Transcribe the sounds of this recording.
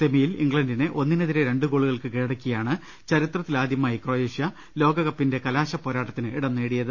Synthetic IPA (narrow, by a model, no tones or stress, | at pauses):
semijilḭŋɡɭɐndinɨʔo̞nːinɐðiɾeɾe̞ɳɖɨɣo̞ːɭuɣɐɭkɨkiːɽɐkʲːijaːɳɨ | t͡ɕɐɾit̪rɐt̪ːilaːd̪jɐmaːjikroːjeːʂjɐ | lo̞ːɡɐɣɐpːinde̞kɐlaːɕɐpːo̞ːɾaːʈːɐt̪ːinɨiɽɐnːeːɽijɐðɨ